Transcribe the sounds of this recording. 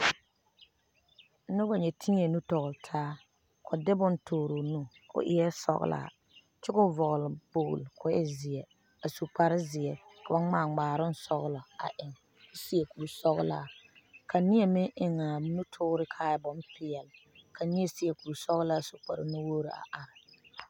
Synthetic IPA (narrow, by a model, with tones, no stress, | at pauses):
nʊ˦ba˨ɲɛ˨tʰi˦ɲ˦ɛ˨nu˦tɔ˨ɣʊ˨ltʰaː˦ | kɔ˨dɪ˦bʊ˦nto˨ɾo˨nu˦ | kʊ̰˦ʔɪ˦jɛ˦sɔ̰˦ɣ̰lʔa̰˨ | t͡ʃɪ˦ɡʊ˦vɔ˨ɣlɪ˨b̥ʊ̰ː˨lkʊ˨ɛ̰˦zɪ˨ɛ˨ | a˨su˨k͡pa˨ɾɪ˦zɪ˨ɛ˨kʰa˨ba˦ŋ͡maː˨ŋ͡maː˨ɾʊ˦n˦sɔ˦ɣlɔ˨a̰˨ʔɪ˨ŋ | kʊ˦si˦ɛ˨kuː˨sɔ˦ɣ̰laː˦˨kʰa˨nɪ˦jɛ˦˨mɪ˦ŋʔɪ˨ŋa˨nu˦tʰʊ˦ɾɪ˦kʰaː˦jbʊ˦mpɪ˨ɛ˨l | kʰa˨nɪ˦ɛ˨sɪ˦ɛ˨kuː˨sɔ˦ɣlaː˦su˨k͡pa˨ɾɪ̰˨nu˦woː˦ɾɪ˨a̰˨ʔa˨ɾɪ˨